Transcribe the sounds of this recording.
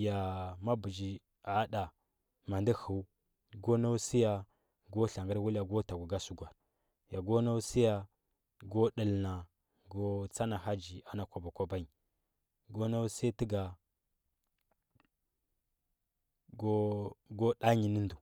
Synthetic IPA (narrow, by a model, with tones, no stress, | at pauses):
ja˨ma˦bu˨d͡ʒi˨ | a˨˦ɗa˨ | ma˨ndi˦hu˨u˦ | ɡo˦na˦u˦si˦ja˨ | ɡo˦ɬa˨ŋɡə˦ɾwu˦lja˨ɡo˦ta˨ɡu˨ɡa˦su˦ɡʷa˨ɾ | ja˨ɡo˦na˦u˦si˦ja˨ | ɡo˦ɗə˨lna˨ | ɡo˦t͡sa˦na˨ɦa˦d͡ʒi˨a˨na˨kʷa˨ba˨kʷa˦ba˦ɲi˨ | ɡo˦na˦u˦sa˦ti˦ɡa˨ | ɡo˦ɡo˦ɗa˦ɲi˨ni˦ndu˨